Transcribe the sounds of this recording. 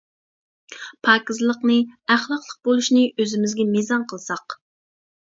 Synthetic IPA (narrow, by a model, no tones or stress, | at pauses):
pʰɑːkʲizlˠəqnɨæχlˠɑqlˠəq̚bolˠuʃnɨøzɪmɪzɡʲɛmizɑnqʰəlˠsɑq